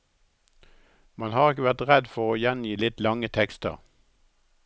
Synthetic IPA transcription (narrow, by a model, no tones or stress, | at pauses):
mɑnhɑːʁɪkəʋæʁt̪ʁɛd̪fɔʁoːjɛnjiːlɪt̪lɑŋət̪ʰɛkst̪ə̰ʁ